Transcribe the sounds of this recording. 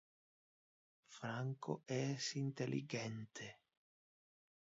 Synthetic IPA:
fɾaŋko̰ʔɛsint̪elʔḭɡɛnt̪ʰe

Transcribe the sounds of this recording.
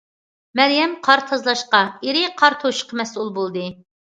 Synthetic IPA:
mɛɾjɛmqʰɑɾt̪ʰɑzlˠɑʃqɑeɾɪqʰɑɾt̪ʰoʃqʰəmɛsulˠbolˠd̪ɨ

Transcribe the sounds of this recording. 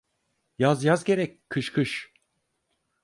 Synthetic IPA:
jazjazɟʲe̞ɾɛckʰːɯʃkʰɯʃ

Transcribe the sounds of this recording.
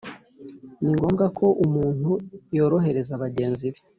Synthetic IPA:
niŋɡo̞ːmɡakʰo̞ʔumuːn̥hujoːɾo̞ɦe̞ɾe̞zaβaɟe̞ːnziβe

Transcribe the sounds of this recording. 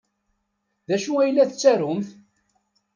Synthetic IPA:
ðæʃuæjlːæθt͡sːæɾʊmθ

